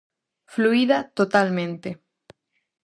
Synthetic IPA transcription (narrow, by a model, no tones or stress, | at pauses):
fluiðat̪ot̪almẽnt̪e